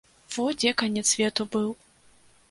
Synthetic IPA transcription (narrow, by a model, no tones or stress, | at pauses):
v̥ɔd͡zʲɛkanʲɛt̪sʲvʲɛt̪ubɨw